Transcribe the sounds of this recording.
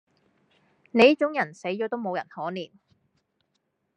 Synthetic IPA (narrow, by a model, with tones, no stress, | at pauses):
ne˨˧jɐ˥t͡ʃʊ˨˥ŋjɐ˨˩nse˨˥jt͡ʃɔː˨˥t̪o˥wmo˨˧wjɐ̰˨˩nhɔː˨˥niː˨˩n